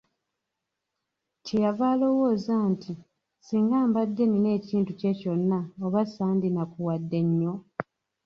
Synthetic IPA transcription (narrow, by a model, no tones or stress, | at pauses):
cejavaːlo̞wo̞ːzaːnti | siːŋɡaːmbadːe̞nine̞ːciːntuceco̞nːaoβasaːndinakuwadːe̞ɲːo̞